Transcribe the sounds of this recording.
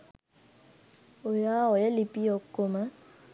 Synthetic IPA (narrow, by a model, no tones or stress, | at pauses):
ojawɔjɛlipiɔkomã